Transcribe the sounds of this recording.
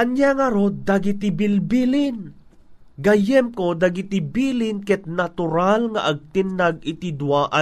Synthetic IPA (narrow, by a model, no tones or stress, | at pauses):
kɐnjaŋɐɾod̪ɐɡit̪ɪbɪlbilɪn | ɡɐjɛmkod̪ɐɡit̪ɪbiːlɪnkɛt̪̚nɐt̪ʊɾalŋɐ̰ʔɐɡ̚t̪ɪnːɐɡ̚ɪt̪ɪd̪waʔɐ